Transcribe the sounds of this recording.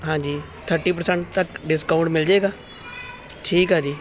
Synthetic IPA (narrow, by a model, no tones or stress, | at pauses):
ɦãːd͡ʒiː | t̪ʰəɾʈiːpəɾsɛɳʈ̚t̪əkɖɪskaʊɳʈmɪld͡ʒaeːɡaː | ʈʰiːkɦaːd͡ʒiː